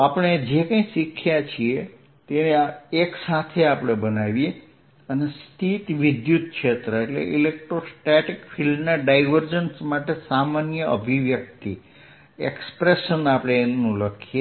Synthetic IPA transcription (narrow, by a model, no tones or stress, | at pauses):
apəɽ̃ed͡ʒekə̃j̃ʃikʰjat͡ʃʰie | t̪eneeksat̪ʰeapɽ̃ebənaʋie | ənest̪ʰit̪ʋid̪jut̪̚kʃʰet̪ɾəeʈlḛʔilek̚ʈɾosʈeʈikfʰilmnaɖaiʋəɾd͡ʒənsmaʈesamanjəʔəbʱiʋjək̚t̪i | ekspɾeʃənapɽ̃eːnnũləkʰie